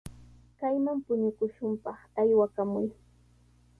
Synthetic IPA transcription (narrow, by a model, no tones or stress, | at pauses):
kajmampʊɲʊkʊʃʊmpɑχajwakamʊj